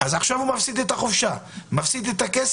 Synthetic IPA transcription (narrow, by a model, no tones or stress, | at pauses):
azaχʃavumafsid̪et̪aχofʃamafsid̪et̪akes